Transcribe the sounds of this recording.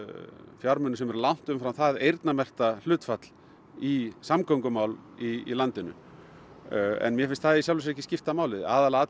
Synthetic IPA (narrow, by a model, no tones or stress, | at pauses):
fjaɾmʏnʏsɛmɛɾlawn̥t̪ʏmfɾawθaðejɾt̪namɛr̥t̪al̥ʏːt̪fat̪l̥ | isamkʰowŋkʏmawliḭlant̪ɪnʏ̰ | ɛ̰nmjɛfɪnst̪θaðisjawlvɪs̬ɛcːɪscɪft̪amaːwlɪða̰ːðalaat̪